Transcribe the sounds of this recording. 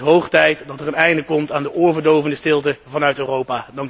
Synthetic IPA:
ɦowχtɛjtdɑtəɹənɛjndəkɔmtaːndəʔoːɹvəɹdowvəndəstɪlˠtəvɑnœɥtøːrowpaːdɑŋ

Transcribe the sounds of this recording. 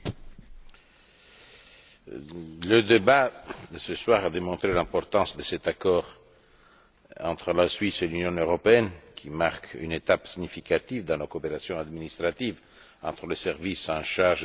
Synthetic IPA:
ləd̪ebad̪əsəswaʁad̪emɔ̃t̪ʁelɛ̃pɔʁt̪ɑ̃sd̪əsɛt̪akɔːʁ | ɑ̃t̪χəlasɥiselynjɔ̃øʁɔpeɛnkʰimaʁky̰net̪apsiɲifikat̪ivd̪ɑ̃lakopeɾasjɔ̃ad̪minist̪ʁat̪iv | ɑ̃t̪ʁələsɛʁvisɑ̃ʃaʁʒ

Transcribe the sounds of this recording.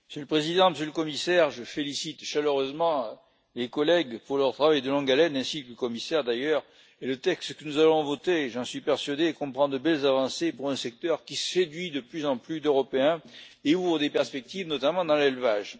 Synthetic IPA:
məsøləpχezid̪ɑ̃məsjøləkɔmisɛʁʒəfelisit̪ʃaløʁøzmɑ̃ | lekɔlɛɡpuʁlœʁt̪χavajd̪əlɔ̃ɡalɛnɛ̃sikləkɔmisɛʁd̪ajœʁ | elət̪ɛkst̪kənuzalɔ̃vɔt̪eʒɑ̃sɥipɛʁsɥad̪ekɔ̃pχɑ̃d̪əbɛlzavɑ̃sepuʁɛ̃sɛk̚t̪œʁkʲissed̪ɥid̪əplyzɑ̃plyd̪øʁɔpeɛ̃euvʁəd̪epɛʁspɛk̚t̪ivnɔt̪amɑ̃d̪ɑ̃lɛlvaʒ

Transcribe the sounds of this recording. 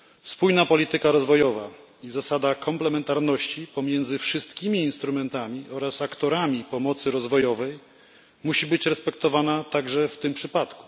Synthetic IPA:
spujnapɔlʲit̪ɘkaɾɔzvɔjɔva | izasad̪akʰɔmplɛmɛnt̪aɾnɔɕt͡ɕipɔmʲjɛnd̪zɘfʂɘst̪kʲimʲiːnst̪ɾumɛnt̪amʲiʔɔɾasakt̪ɔɾamʲipɔmɔt̪sɘɾɔzvɔjɔvɛj | muɕibɘt͡ɕɾɛspɛkt̪ɔvanat̪aɡʐɛft̪ɘmpʂɘpat̪ku̥

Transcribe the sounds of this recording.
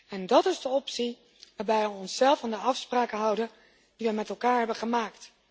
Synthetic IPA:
ɛndɑtɪzdəɔpsi | ʋaːɹbɛjʋəɔnsːɛlˠfaːndəɑfspraːkəɦʌwdə | d̥iʋəmɛtɛlˠkaːɹɦɛbəχəmaːkt

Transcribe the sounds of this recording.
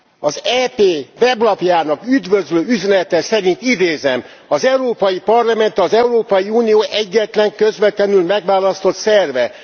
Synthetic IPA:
ɒzɛːpeːvɛblɒpjaːnɒkyd̪vøzløːyzɛnɛt̪ɛsɛɾint̪id̪eːzɛm | ɒzɛuɾoːpɒjipɒrlɒmɛnt̪ɒzɛuɾoːpɒjiuːnijoːʔɛɟːɛt̪lɛŋkøzʋɛt̪lɛnylmɛɡʋaːlɒst̪o̞t̪sɛrvɛ

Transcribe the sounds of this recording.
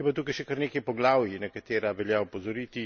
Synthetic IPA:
jɛpat̪uːkajʃɛkəɾneːkɐjpɔɡlaːwjinɐkat̪eːɾaʋɛljaupɔzɔɾiːt̪i

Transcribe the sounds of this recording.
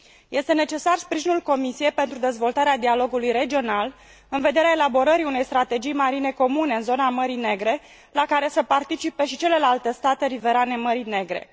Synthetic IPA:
jʔe̞st̪e̞ne̞t͡ʃe̞sarspɾiʒinulko̞misije̞jpe̞nt̪ɾud̪ezvo̞lt̪aɾead̪ialo̞ɡulujre̞d͡ʒio̞nal | ɨnve̞d̪e̞ɾeaelabo̞ɾəɾiune̞jst̪ɾat̪e̞d͡ʒijmaɾine̞ko̞mune̞ɨnzo̞naməɾine̞ɡɾe̞ | lakaɾe̞səpart̪it͡ʃipe̞ʃit͡ʃe̞le̞lalt̪e̞st̪at̪e̞ɾive̞ɾane̞məɾine̞ɡɾe̞̰

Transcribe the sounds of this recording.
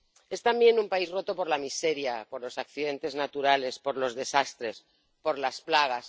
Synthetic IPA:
e̞st̪ambje̞numpaizro̞t̪o̞po̞ɾlamise̞ɾjapo̞ɾlo̞sakθiðe̞nt̪e̞znat̪uɾale̞spo̞ɾlo̞zðe̞sast̪ɾe̞s | po̞ɾlasplaɣ̞as

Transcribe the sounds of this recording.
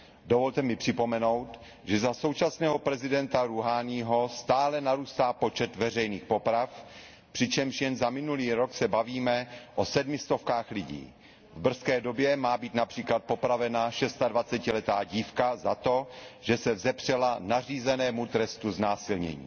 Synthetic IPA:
dovo̞lt̪ɛmɪpr̝̥ɪpo̞mɛno̞wt̪ | ʒɛzaso̞wt͡ʃasnɛːɦo̞pɾɛzɪdɛnt̪aɾuɦaːniːɦo̞st̪aːlɛnaɾuːst̪aːpo̞t͡ʃɛt̪vɛrɛjniːxpo̞pɾaf | pr̝̥ɪt͡ʃɛmʃjɛmzamɪnuliːɾoksɛbaviːmɛʔosɛdmɪst̪o̞fkaːxlɪɟḭː | vbr̩skɛːdo̞bjɛmaːbiːt̪napr̝̥iːklat̪̚po̞pɾavɛnaʃɛst̪advat͡sɛcɪlɛt̪aːɟiːfkazat̪o̞ʒ̥ɛsɛvzɛpr̝̥ɛlanariːzɛnɛːmut̪ɾɛst̪uznaːsɪlɲɛ̰ɲḭː

